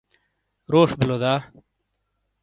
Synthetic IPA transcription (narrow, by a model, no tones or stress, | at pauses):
ɾoːʂbilod̪aː